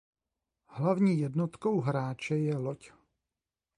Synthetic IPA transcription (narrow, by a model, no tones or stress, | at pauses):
hlavɲiːjɛdnot̪ko̞wɦɾaːt͡ʃɛjɛloc